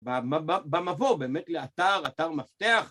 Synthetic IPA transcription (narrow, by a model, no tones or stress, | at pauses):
bamababamavobeːmetleat̪aʁat̪aʁmaft̪eaχ